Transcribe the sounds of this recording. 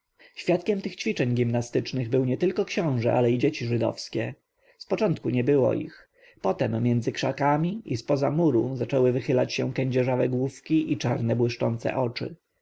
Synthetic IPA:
ɕfʲjat̪kʲɛmt̪ɘxt͡ɕfʲit͡ʂɛɲɡʲimnast̪ɘt͡ʂnɘɣbɘwɲɛt̪ɘlkɔkɕɔ̃w̃ʐɛʔalɛid͡ʑet͡ɕiʐɘd̪ɔ̰fskʲɛ | spɔt͡ʂɔnt̪kuɲɛbɘwɔ̰ḭx | pɔt̪ɛmːjɛnd̪zɘkʂakamʲiʔispɔzamuɾuzat͡ʂɛwɘvɘxɘlat͡ɕɕɛ̃kɛɲd͡ʑɛʐavɛɡwufkʲiʔit͡ʂaɾnɛbwɘʂt͡ʂɔnt̪sɛ̰ʔɔt͡ʂɘ̰

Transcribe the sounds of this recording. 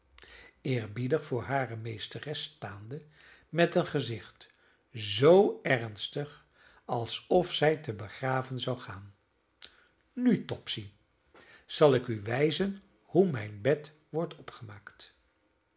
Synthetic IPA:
ɪːɹbidəχfʊːɹɦaːrəmejstərɛstaːndə | mɛtənχəzɪχt | zowɛrnstəχ | ɑlˠsɔfsɛjtəbəχraːvənzɑwχaːn | nytɔpsi | z̥ɑlˠɪkyʋɛjzən | humɛjnbɛt | ʋɔɹtʰɔpχəmaːkt

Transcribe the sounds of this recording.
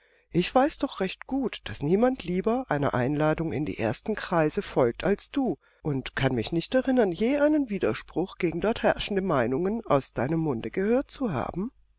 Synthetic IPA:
ʔɪçv̥aɪsd̥ɔχʁɛçtɡ̥uːtd̥asniːmantʰliːbɐʔaɪnɐ̰ʔa̰ɪnlaːdʊŋɪ̰ndḭːʔḛːɐstn̩kʁ̥aɪzəfɔlk̚tʰalsd̥uː | ʔʊntkʰanmɪçnɪçtɛʁɪnɐnjeːʔaɪnənviːdɐʃpʁ̥ʊχɡ̥eːɡŋ̩dɔɐthɛɐʃn̩dəmaɪnʊŋəna̰ʊsd̥aɪnəmːʊndəɡəhøːɐt̚t͡suɦa̰ːbm̩

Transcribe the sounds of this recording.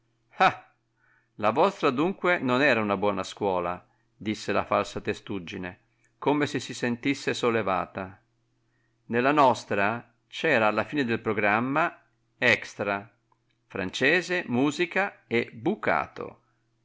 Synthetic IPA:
ha | lavɔst̪ɾad̪uŋkwenonɛːɾaunabwɔːnaskwɔːla̰ | d̪isːela̰falsat̪est̪ud͡ʒːine | komesesisent̪isːesolːeva̰ːt̪a | nelːanɔst̪ɾa | t͡ʃɛːɾaːlːafiːned̪elpɾoɡɾamːa | ɛkst̪ɾa | fɾa̰nt͡ʃɛːzemuːzikaebuka̰ːt̪o̰

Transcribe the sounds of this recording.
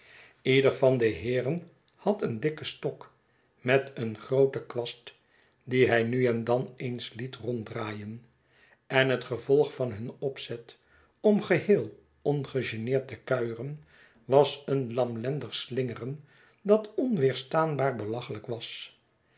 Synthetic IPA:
idəɹfɑndəɦɪːrən | hɑtəndɪkəstɔk | mɛtənχrowtəkʋɑst | diɦɛjnyɛndɑnejnslitrɔndraːjən | ɛnɦətχəvɔlˠχfɑnɦɵnɔpsɛt | ɔmχəhɪːlˠ | ɔnχəʒenɪːɹtəkœɥərən | ʋɑsənlɑmlɛndəχslɪŋərən | dɑtɔnʋɪːɹstaːnbaːɹbəlɑχələkʋɑs

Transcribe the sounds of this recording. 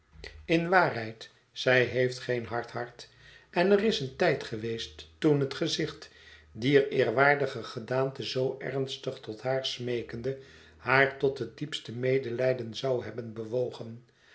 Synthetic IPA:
ɪnʋaːrɦɛjt | sɛjɦejftχejnɦɑɹthɑɹt | ʔɛnərɪsəntɛjtχəʋejstːunɦətχəzɪχtdiəɹɪːɹʋaːɹdəχəχədaːntəzowʔɛ̰ɹnstəχtɔtɦaːɹsmejkəndə | haːɹtɔtɦət̚dipstəmejdəlɛjdənzɑwɦɛbənbəʋowχən

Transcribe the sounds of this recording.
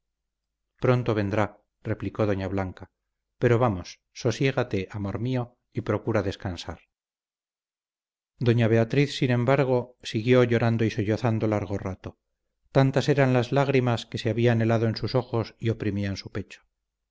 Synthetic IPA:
pɾo̞nt̪o̞β̞e̞nd̪ɾa | re̞pliko̞ðoɲaβlaŋka | pe̞ɾoβamo̞sːo̞sje̞ɣ̞at̪e̞ʔamo̞ɾmio | ipɾo̞kuɾaðe̞skansaɾ | d̪o̞ɲaβ̞e̞at̪ɾiθsinẽ̞mbaɾɣo̞siɣjo̞ʝo̞ɾand̪oisoʎoθand̪olaɾɣ̞orat̪o | t̪ant̪ase̞ɾanlazlaɣɾimaske̞seaβiaːne̞laðoe̞nsuso̞xo̞sio̞pɾimiaensupe̞t͡ʃo̥

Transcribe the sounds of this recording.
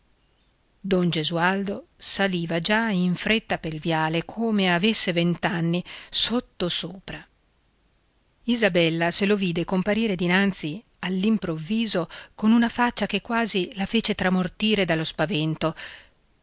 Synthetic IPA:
d̪ond͡ʒezuald̪osaliːvad͡ʒaiɱfɾet̪ːapelvjaːlekʰoːmeavesːevent̪anːisot̪ːosoːpɾa | izabɛlːaseloviːd̪ekompaɾiːɾed̪inant̪si | alːimpɾovːiːzokonunafat͡ʃːak̟ekːwaːzilafeːt͡ʃet̪ɾamort̪iːɾed̪alːospavɛnt̪o

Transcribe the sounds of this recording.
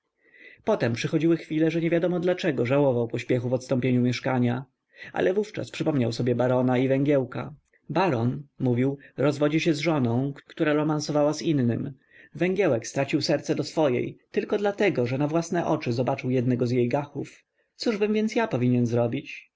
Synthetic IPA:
pɔt̪ɛmpʂɘxɔd͡ʑiwɘxfʲilɛʐɛɲɛvʲjad̪ɔmɔd̪lat͡ʂɛɡɔʐawɔvawpɔɕpʲjɛxuvɔt̪st̪ɔ̃mpʲjeɲumʲjɛʂkaɲa | ʔa̰lʔɛvuft͡ʂa̰spʂɘpɔmɲawsɔbʲjɛbaɾɔnaivɛŋɡʲjɛwka̰ | baɾɔnmuvʲiwɾɔzvɔd͡ʑiɕɛzʐɔnɔ̃w̃kkt̪uɾaɾɔmansɔvawazinːɘm | vɛŋɡʲjɛwɛkst̪ɾat͡ɕiwsɛɾt̪sɛd̪ɔsfɔjɛ̰jt̪ɘlkɔd̪lat̪ɛɡɔʐɛnavwasnɛʔɔt͡ʂɘzɔbat͡ʂɨwjɛd̪̚nɛɡɔzjejɡaxuf | t̪suʐbɘmvʲjɛnt̪sjapɔvʲiɲɛnzɾɔbʲit͡ɕ

